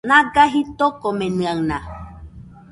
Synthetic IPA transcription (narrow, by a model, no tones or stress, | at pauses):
nãɡaɦit̪okomẽnɨ̃aŋna